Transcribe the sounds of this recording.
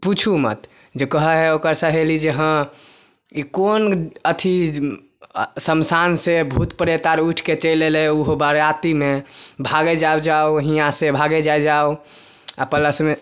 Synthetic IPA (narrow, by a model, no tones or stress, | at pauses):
put͡ʃʰumə̰t̪ | d͡ʒekəɦəɦɛokəɾsə̃ɦelid͡ʒeɦə̃ | ikonət̪ʰi | səmsansebʱut̪pəɾet̪aɾuʈʰket͡ʃəleleuɦobəɾat̪imebʱaɡed͡ʒawd͡ʒaoɦijãsebʱaɡed͡ʒaed͡ʒao | a̰pələsme